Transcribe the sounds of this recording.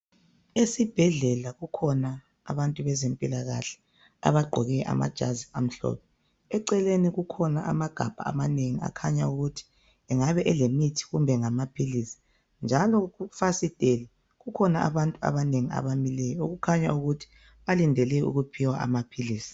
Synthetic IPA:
esib̥ʱɛɮɛlaɣukʰɔna̰ː | βantʼuβɛzempʼilaɣaɬɛ̥ | a̰βaɡ͡ǃʱɔɣɛʔa̰ma̰d̥ʒ̥ʱazia̰m̩ɬɔ̰ːpʰɛ | ɛǀɛleniɣukʰɔnaʔamaɡ̥ʱab̥ʱa̰a̰maneŋia̰kʰaɲauɣutʰi̥ | ɛŋaβɛʔɛlemitʰi̥ɣumbʱɛŋamapʰiliːsi̥ | nd͡ʒʱalɔɣufasitʼelɛ | ɣukʰɔnaa̰βantʼua̰βaneŋia̰βamilɛjɔoɣukʰaɲa̰uɣutʰi̥ | βalindʱɛlɛṵɣupʰiwaʔa̰mapʰiliːsi̥

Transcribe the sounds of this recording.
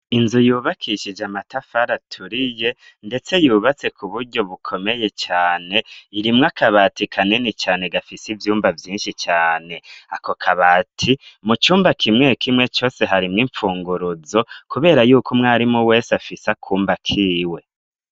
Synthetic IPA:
inzujuːβakʰiʃid͡ʒamatafaɾatʰuɾije̞ | nde̞t͡se̞juːβat͡se̞kʰuβuɾɟo̞βukʰo̞me̞je̞t͡ʃaːne̞iɾimŋakʰaβatikʰaninit͡ʃaːne̞ɡafisivjuːmbavjiːnʃit͡ʃaːne̞akokʰaβaːtʰimut͡ʃuːmbakʰimŋe̞kʰimŋe̞t͡ʃo̞ːse̞ɦaɾimŋiːɱfuːŋɡuɾuzo̞kuβe̞ːɾajuːkʰomŋaːɾimowe̞ːsafisakʰuːmbakʰiːwe̞

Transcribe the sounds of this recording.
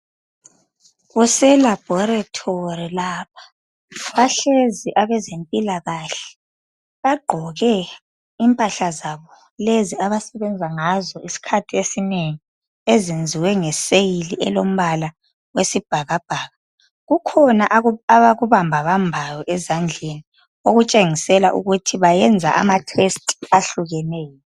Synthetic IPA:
ɣusɛlab̥ʱɔratʰorilaːpʰḁ | βaɬeziʔaβɛzempʼilaɣaːɬɛ̥ | βaɡ͡ǃʱɔɣɛ | impʼaɬazaβɔ | leziaβasɛβɛnd͡zʱaŋazɔisi̥kʰatʰiesineŋi | ezind͡zʱiwɛŋɛsejiliʔɛ̰lom̩βala | wesib̥ʱaɣab̥ʱaːɣa | ɣukʰɔnaʔaβaɣuβambʱaβambʱajɔʔɛzand͡ɮʱeni | oɣut͡ʃʼeŋisɛla̰ʔṵɣutʰiβajɛnd͡zʱa̰ʔa̰matʰestʼaɬuɣɛnɛːjɔ

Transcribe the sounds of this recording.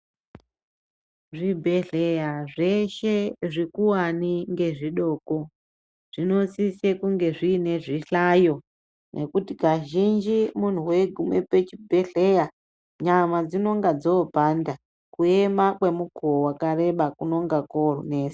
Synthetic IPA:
ʐibʱe̞ɮejaʐe̞ʃe̞ʐikuwaniŋɡe̞ʐiɗo̞ːko | ʐ̥ino̞sisekuŋɡe̞ʐiːne̞ʐiɬajo̞ | nʔḛkutikaʒind͡ʒimun̤uwe̞ɡʱumwepet͡ʃibʱeɮeja | ɲamad͡zino̞ŋɡad͡zo̞bʱanda | kue̞makwe̞mukowakare̞ɓakuno̞ŋɡakoro̰neːsi̥

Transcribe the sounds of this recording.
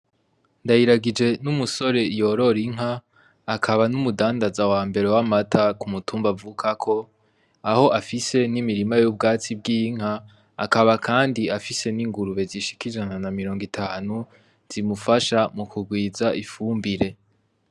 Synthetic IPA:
ndajiɾaɡid͡ʒe̞numuso̞ɾe̞jo̞ɾo̞ɾiŋ̥ɦaː | kʰaβanumudaːndazawaːmbe̞ɾe̞wamatʰakumutuːmbavuːkʰakʰo̞ | aho̞ʔafise̞nimiɾimajub̚ɡaːt͡sibɡiːŋ̥a̰ː | kaβakʰaːndiafise̞niŋɡuɾuβe̞ziʃi̥kiʒananamiɾo̞ːŋɡitʰaːnu | z̥imufaʃamukʰuɡwiːzaʔifuːmbiɾe̞

